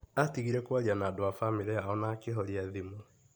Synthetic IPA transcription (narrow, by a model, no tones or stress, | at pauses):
atiɣiɾɛkwaɾianadoafamiɾɛaɔnakeɦɔɾiaðimu